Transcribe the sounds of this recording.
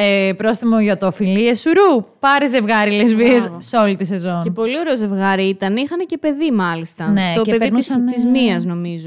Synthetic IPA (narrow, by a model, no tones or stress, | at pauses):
epɾo̞sθimoʝɐt̪ofiliesuɾupɐɾeze̞vɣɐɾilezviesseo̞lit̪ise̞zoncepo̞lioɾeoze̞vɣɐɾiit̪ɐnixɐnece̞pe̞ðimɐlist̪ɐnet̪opeðenust̪izmiɐzno̞mizo